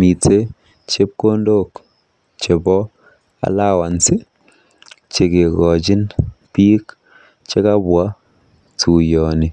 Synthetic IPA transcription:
mi˨te˦ | t͡ʃe˦p̚ko˦ndo˦k | t͡ʃe˨bɔ˦ | a̰˨˦la˦wa˨nsi˦ | t͡ʃe˨ke˨kɔ˨t͡ʃi˦npi˦k | t͡ʃe˦ka˦bwa˦ | tu˨jɔ˨ni˨

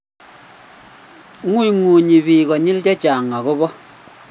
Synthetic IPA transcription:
ŋu˦i˨ŋu˨ɲi˨bi˨kɔ˨ɲɪ˦ld͡ʒɛ˦t͡ʃa˨ŋa˨kʊ˦bɔ˦

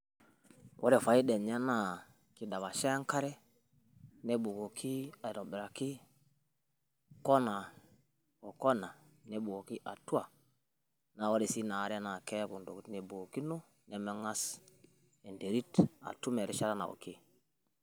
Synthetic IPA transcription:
wʔo̰˦ɾe˨fa˨i˦de˨ɲa˦na˨ | ki˨da˨βa˨ʃe˦ŋka˦ɾɛ˦ | ne˦bu˨ko˨kʰi˦a˨ɾo˨bɛ˨ɾa˨ki˦ | ko˦na˨ | o˨ko˦na˨ | ne˨bu˨o˨ki˦ʔa˨tu˦a˨ | na˨wo˦ɾe˨si˦na˨ɾe˦na˨ke˦ku˨ndo˨kne˨bu˨o˨ki˦no˦ | ne˨me˦ŋa˦s | e˨nde˨ɾi˦ta̰˨tu˦me˨ɾi˦ʃa˦ɾa˦na̰˨o̰˨ki˦

